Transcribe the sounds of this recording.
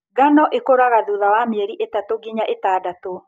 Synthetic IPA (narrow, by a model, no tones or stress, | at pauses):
ɡanɔʔekoɾaɣaðuðawamɛɾiʔetatoɡiɲaʔetaːdato